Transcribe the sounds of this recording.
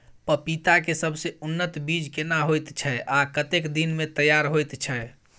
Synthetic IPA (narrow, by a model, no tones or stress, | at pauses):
pəpit̪akesəbʱseunːət̪bid͡ʒkenaɦojt̪t͡ʃʰɛakət̪ekd̪inmet̪əjaɾɦojt̪t͡ʃʰɛ